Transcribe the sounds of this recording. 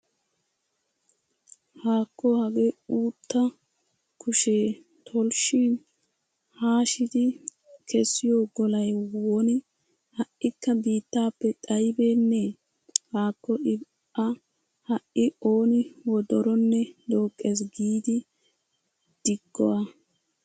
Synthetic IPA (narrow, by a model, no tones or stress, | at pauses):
haːkːɔhɐɡeuːt̪ʰːɐ | kʰʊʃeː | t̪ʰɔlʃin | haːʃɪd̪ɪ | kʰɛsːɪjoːɡɔlɐjwɔnɪ | hɐʔːɪkːɐbiːt̪ːaːpːɛt̪ʼɐjbe̞ːnːe | haːkːɔʔɪ | ɐ | hɐʔːɪo̞ːnɪwɔd̪ɔɾɔnːɛd̪o̞ːkʼːeːs̬ɡiːd̪ɪ | d̪̥ɪɡːɔ̰wa